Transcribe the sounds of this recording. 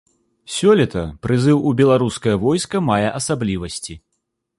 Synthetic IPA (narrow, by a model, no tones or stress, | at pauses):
sʲɔlʲɛt̪ɐpɾɨzɨwubʲɛlˠaɾuskɐjɐvɔjskɐmajɛʔɐsablʲivɐsʲt͡sʲi